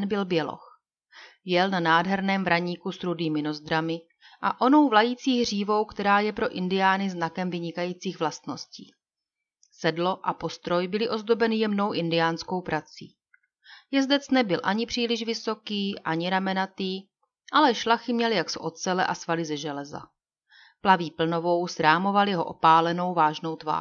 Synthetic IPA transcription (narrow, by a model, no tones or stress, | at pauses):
nbɪlbjɛlo̰x | jɛlnanaːdɦɛɾnɛːmvɾaɲiːkusɾudiːmɪno̞zd̪ɾamɪ | ʔa̰ʔo̞no̞wvlajiːt͡siːɣr̝iːvo̞wkt̪ɛɾaːjɛpɾo̞ʔɪndɪjaːnɪznakɛmvɪɲɪkajiːt͡siːɣvlast̪no̞scḭː | sɛdlo̞ʔapo̞st̪ɾo̞jbɪlɪʔo̞zd̪o̞bɛnɪjɛmno̞wʔɪndɪjaːnsko̞wpɾat͡sḭː | jɛzdɛt͡snɛbɪlʔaɲɪpr̝̥iːlɪʃvɪso̞kiːʔaɲɪɾamɛnat̪iː | ʔalɛʃlaxɪmɲɛlɪjaksɛʔo̞t̪t͡sɛlɛ̰ʔasvalɪzɛʒɛlɛza̰ | plaviːpl̩no̞vo̞wsɾaːmo̞valɪɦo̰ʔo̞̰paːlɛno̞wvaːʒno̞wt̪va̰ː